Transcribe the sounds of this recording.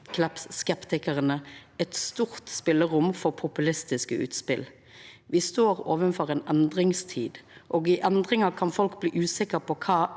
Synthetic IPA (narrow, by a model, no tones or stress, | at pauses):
kʰlɛpsskɛpt̪ɪkəʁənəɛt̪st̪uːʁt̪spɪlːəʁʊmfɔpʰʊpʉlɪst̪ɪskəʉ̰ːt̪spɪl | ʋɪst̪oːʁoːʋənfɔʁeːnɛnd̪ʁɪŋst̪ʰiːd̪ʔoːɡɪʔɛnd̪ʁɪŋɑkʰɑnfɔlkblḭːʔʉːsɪkəʁpʰɔkʰɑː